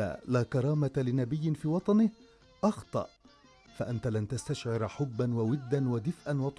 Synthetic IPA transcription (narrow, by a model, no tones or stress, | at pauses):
a̰laːkɑɾˤɑːmat̪alɪnabɪjːɪnfiːwɑt̪ˤɑnɪh | ʔɑxt̪ˤɑ̰ʔ | faʔant̪alant̪ast̪aʃʕɪɾħʊbːanwawɪd̪ːanwad̪ɪfʔanwɑt̪ˤ